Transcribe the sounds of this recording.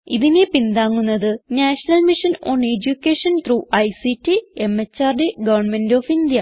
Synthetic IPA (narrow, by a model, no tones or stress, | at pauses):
iðinepind̪aːŋːunːɐðɨnaːʂɐnɐlmiʂɐnoːned͡ʑukʲːeːʂɐnt̪ruːʔɐjsitːiemet͡ɕːaːrɖeɡɐʋɐrɳmendoːfind̪jɐ